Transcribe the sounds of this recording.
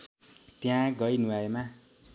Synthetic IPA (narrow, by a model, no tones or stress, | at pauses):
t̪jãɡʌjnuaema